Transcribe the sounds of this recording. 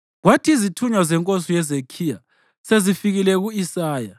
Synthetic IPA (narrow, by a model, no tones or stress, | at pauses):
ɣwatʰiizitʰuɲwazɛŋkʼosijɛzekʰija̰ | sezifiɣilɛɣuisaːja